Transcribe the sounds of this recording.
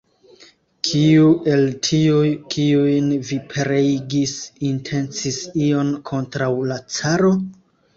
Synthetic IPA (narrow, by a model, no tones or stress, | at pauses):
kʰiuʔe̞ltʰiujkʰiujnvipʰeɾejɡisintʰe̞nt͡sisio̞nkʰo̞ntɾawlat͡saɾo̞